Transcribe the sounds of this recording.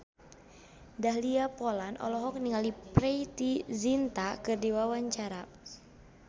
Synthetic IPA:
daɦliapɔlanʔɔ̰lɔɦɔk̚niŋaliprɛjt̪izint̪akɨrdiwawaɲt͡ʃaɾa

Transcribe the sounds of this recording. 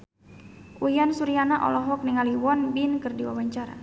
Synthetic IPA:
ʔujansuɾianaʔɔ̰lɔɦɔk̚niŋaliwɔnbinkɨrdiwa̰waɲt͡ʃaɾa̰

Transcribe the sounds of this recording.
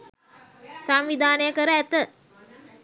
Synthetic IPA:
samʋid̪ʱaːnəjəkəɾəæt̪ə

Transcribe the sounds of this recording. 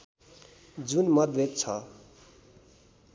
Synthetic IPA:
d͡zunmʌd̪bet̪̚t͡sʰʌ

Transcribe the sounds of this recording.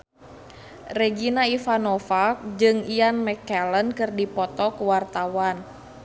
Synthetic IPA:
rɛɡinaifanɔfak̚d͡ʒɨŋianmɛkɛlənkɨrdipɔt̪ɔkuwart̪awan

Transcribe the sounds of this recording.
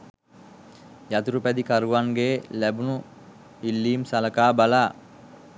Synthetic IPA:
jat̪uɾupæd̪ikaɾuʋaŋɡeːlæbunu | ilːiːmsaləkaːbalaː

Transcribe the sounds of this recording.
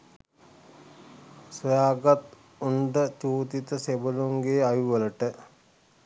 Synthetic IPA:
səjaːɡat̪ | uɳɖət͡ʃuːt̪it̪əsebəluŋɡeajuʋələʈə

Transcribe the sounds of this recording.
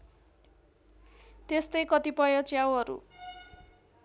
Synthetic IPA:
t̪est̪ʌjkʌt̪ipʌjʌt͡sjawɦʌɾṵ

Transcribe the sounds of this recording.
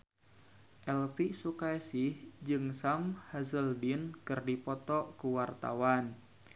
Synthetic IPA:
ʔɛlpisukaɛsihd͡ʒɨŋsamhazəldinkɨrdipɔt̪ɔʔkuwart̪a̰wan

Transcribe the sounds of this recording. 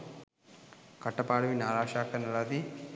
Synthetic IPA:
kɐʈːɐpaːɽɐʋinaːɾaːʃaːkʈɐnɐlaːd̪i

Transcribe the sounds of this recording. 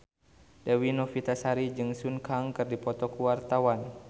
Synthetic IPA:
dɛwinɔfit̪asaɾid͡ʒɨŋsunkaŋkɨrdipɔt̪ɔkuwart̪awan

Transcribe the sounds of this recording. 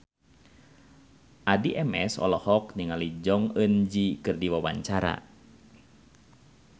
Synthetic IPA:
ʔadiʔɛmɛsɔ̰lɔhɔk̚niŋalid͡ʒɔŋənd͡ʒikɨrdiwawa̰ɲt͡ʃaɾa̰

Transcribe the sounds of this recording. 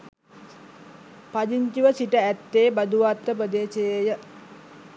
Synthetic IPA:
pad͡ʒiɲt͡ʃiʋəsiʈəæt̪ːeːbad̪uʋat̪ːəpɾəd̪eːsejejə

